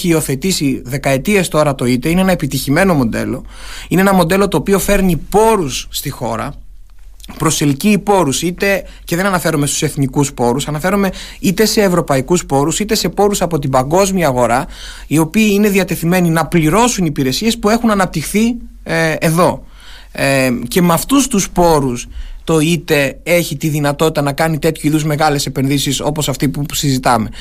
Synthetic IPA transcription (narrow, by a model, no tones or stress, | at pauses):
çiːo̞θe̞t̪isiðe̞kɐe̞t̪ie̞st̪o̞ɾɐt̪o̞it̪e̞ine̞enɐe̞pit̪içime̞no̞mo̞d̪e̞̰lo̞ | ineenɐmo̞d̪e̞lo̞t̪o̞ːpio̞fe̞ɾnipo̞ɾusːt̪ixo̞̰ɾɐ̰ | pɾo̞se̞lciːpo̞ɾusit̪e̞ | ceðe̞nɐnɐfe̞ɾumest̪u̥se̞θnikuspo̞ɾusɐnɐfe̞ɾume̞ | it̪e̞se̞ːvɾo̞pɐikuspo̞ɾusit̪ese̞po̞ɾusɐpo̞t̪̬ibɐŋɡo̞zmiɐːɣo̞ɾɐ | io̞piːine̞ðiɐt̪e̞θime̞ninɐpliɾo̞sunipiɾe̞sie̞spue̞xunɐnɐp̚t̪ixθi | eðo̞ | ce̞meɐft̪ust̪uspo̞ɾust̪o̞it̪e̞e̞çit̪iðinɐt̪o̞t̪it̪ɐnɐkɐnit̪e̞t̪çuiðuzme̞ɣɐle̞se̞pe̞nðisiso̞posɐft̪ipusizit̪ɐme̞